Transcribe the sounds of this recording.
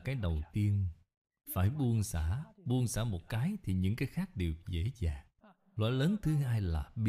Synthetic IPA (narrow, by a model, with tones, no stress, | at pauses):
kaː˨˦jɗə˨˩wt̪i˧ən | faː˧˩jɓu˧ənsaː˧˩˨ɓu˧ənsaː˧˩mo˨˩t̚kaː˨˦jt̪ʰi˨˩ɲɨ̰˧˥ŋkaː˨˦jxaː˦˥k̚ɗe˨˩wzḛ˧˥zaː˨˩ŋ | lwa̰ː˧˨˩jləː˨˦nt̪ʰɨ˨˦haː˧jlaː˨˩ɓi˧˦